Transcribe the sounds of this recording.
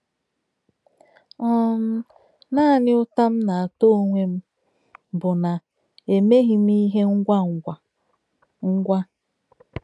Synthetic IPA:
ɔ˦m̩˦ | naː˦˨nɪ˦ʊ˦ta˦m̩˦na˨a˨to˦˨ŋʷe˦m̩˦ | bʊ˨na˨ | e˨me˦ɦi˦m˦i˦ɦe˦ŋ̩˦ɡʷa˦ŋʷ˨a˨ | ŋ̩˦ɡʷa˦

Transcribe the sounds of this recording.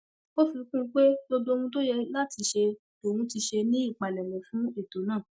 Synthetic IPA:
o˦fi˧kũ˦˨˦k͡pe˦bo˧do˦˧wũ˧to˦jɛ˧la˦˨ti˧ʃe˧ | o˨wũ˧˦ti˧ʃe˧nĩ˦i˦˨k͡pa˨lɛ˨mɛ̃˨fũ˦e˦˨to˨˦nãː˦˨

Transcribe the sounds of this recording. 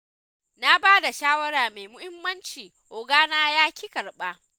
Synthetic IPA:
na˦baː˦da˨ʃaː˦wɐ˦ɽaː˨me˨jmʊ˦hɪ˦mːɐ˦nt͡ʃiː˨ | ʔoː˨ɡaː˦naː˦jaː˦kʲi˦kɐ˨ɽɓaː˦

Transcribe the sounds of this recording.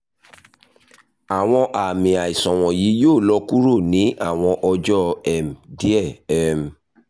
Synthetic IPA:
a˨w̃ɔ̃˧ʔa˨mĩ˨a˨i˨sɔ̃˨w̃ɔ̃˨ji˨˦joː˦˨lɔ˧˦ku˦ɾo˦˨nĩ˨˦a˦˨w̃ɔ̃˧ʔɔ˧d͡ʒɔ˦ɛ˨m̩˨di˨˦ɛ˦˨ɛ˨m̩˨

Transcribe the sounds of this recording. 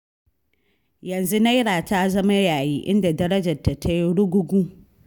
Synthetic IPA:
jɐ˨nzu˦na˦jɽaː˨ta˦zɐ˦ma˦jaː˨jiː˦ʔɪ̰˦nda˨dɐ˦ɾɐ˦d͡ʒɐ˨rtːa˨ta˦jɽʊ˦ɡʷʊ˦ɡʷuː˦

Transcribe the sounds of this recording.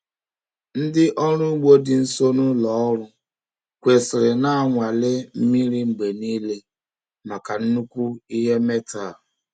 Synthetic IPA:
n̩˦dɪ˦ʔɔ˦ɾʊ˦ɡ͡bo˦dɪ˨n̩˦so˦nʊ˦lɔ˦ɾʊ˦ | kʷe˨sɪ˨ɾɪ˨na˦a˨ŋʷa˨lɪ˦m̩˦mi˦ɾi˦ŋ͡m̩˨ɡ͡be˨niː˦le˦ | ma˨ka˨n̩˦nu˦kʷu˦i˦ɦe˦me˦ta˨

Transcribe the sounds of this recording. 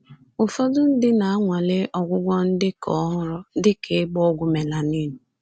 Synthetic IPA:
ʊ˨fɔ˦dʊ˦n̩˦dɪ˦na˨a˦ŋʷa˨lɪ˦ʔɔ˨ɡʷʊ˦ɡʷɔ˦n̩˦dɪ˦kɔ˦ɦʊ˦ɾɔ˦dɪ˦ke˨˦ɡ͡bɔ˦ɡʷʊ˦me˨la˨ni˦nʊ˨

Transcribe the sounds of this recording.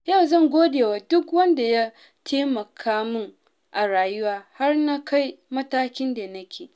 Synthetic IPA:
ja˦˨wzɐ˦˨ŋɡʷoː˦deː˨waː˨dʊ˦kwɐ˦nda˨ja˦ | tʰeː˦mɐ˨kʰaː˦mʊ˦ŋ | ʔa˨ɽaː˨jʊ˦waː˦ha˦rna˦kʰa˦jmɐ˦taː˦kʲɪ˦nda˨nɐ˦kʲʰeː˨

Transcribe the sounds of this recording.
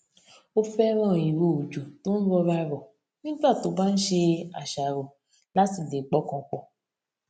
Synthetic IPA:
o˦fɛ˦ɾ̃ɔ̃˦˨ji˨ɾo˦˨d͡ʒu˨to˦n̩˦ɾɔ˧ɾa˦ɾɔ˨ | nĩ˦ta˦˨to˨˦ba˦n̩˦ʃe˧a̰˨ʃa˨ɾɔ˨ | la˦si˦˨de˨k͡pɔ˦kɔ̃˨˧k͡pɔ˨

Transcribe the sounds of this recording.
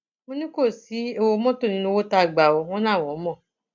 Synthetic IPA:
mo˦nũ˦ko˦˨si˨˦e˧wo˧˦mɔ̃˦to˦˨nĩ˧˦nũ˦˧˦wo˦ta˧˨ɡ͡ba˨o˧w̃ɔ̃˦nãː˦˨w̃ɔ̃˨˦mɔ̃˦˨

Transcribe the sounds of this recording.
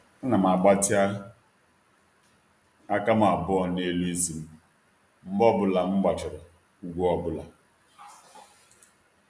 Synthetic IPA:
ɔ˦na˨m˨a˨ɡ͡ba˦tɪ˦a˦ | a˦ka˦m˦a˨bʊ˦ɔ˨ne˦li˦zi˨m̩˦ | m̩˦bɔ˦bʊ˨la˨m̩˦ɡ͡ba˨t͡ʃʊ˨ɾɔ˨ | u˦ɡʷu˦ɔ˦bʊ˦la˨

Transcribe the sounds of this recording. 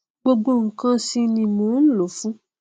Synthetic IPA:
ɡ͡bo˧ɡ͡bo˦ŋ̩˨kã˦si˦nĩ˧mõ˨˦n̩˦lo˨fũ˦

